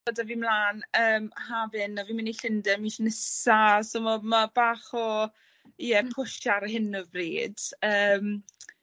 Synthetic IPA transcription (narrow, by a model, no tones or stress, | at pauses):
odaviːmlˠaːnəːmhavɨnɔviːmɪniɬɪndɛmiʃnɪsasomamabaːχɔ | ɛpʰʊʃaɾhɪnɔvriːd̥əːm